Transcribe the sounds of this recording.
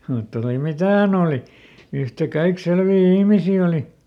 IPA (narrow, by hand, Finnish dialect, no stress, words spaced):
mutːɑ oli mitæ hæn oːli yhtækɑik selʋiː ihmisiː oli